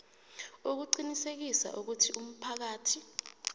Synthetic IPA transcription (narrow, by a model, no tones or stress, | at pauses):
uk̬uǃinisek̬isa̰ʔuk̬utʰium̩pʰak̬aːtʰi